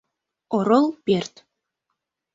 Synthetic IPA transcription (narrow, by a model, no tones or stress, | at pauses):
oɾolˠpert̪